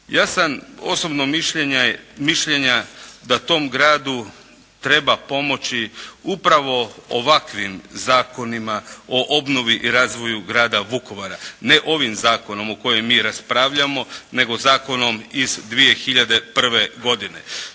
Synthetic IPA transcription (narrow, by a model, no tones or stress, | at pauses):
jaːsano̞̰sobnomiʃʎeɲamiʃʎeɲad̪at̪o̞ːmɡɾaːd̪u | t̪ɾe̞bapo̞mo̞t͡ʃiupɾaʋo̞o̰ʋakʋimzaːko̞nimao̞ʔobno̞ʋiʔiɾaːzʋo̞juɡɾaːd̪aʋuko̞ʋaɾane̞ʔo̞ʋimzaːkono̞moko̞jemiːɾaspɾaːʋʎamo̞ne̞ɡo̞zaːko̞no̞mizd̪ʋije̞xiʎad̪e̞pr̩ʋeɡo̞d̪ine̞̰